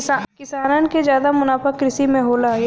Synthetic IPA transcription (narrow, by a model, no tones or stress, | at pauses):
kɪsaːnənked͡ʒjaːd̪amʊnaːpəkːɾɪsimẽɦoːla